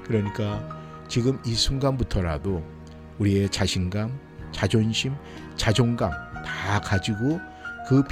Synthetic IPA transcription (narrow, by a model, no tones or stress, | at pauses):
kɯɾʌɲik͈a | t͡ɕiɡɯmisʰuŋɡambutʰʌɾa̰do | uɾie̞t͡ɕaɕʰinɡam | t͡ɕad͡ʑonɕʰim | t͡ɕad͡ʑoŋɡaŋtakad͡ʑiɡo | kɯp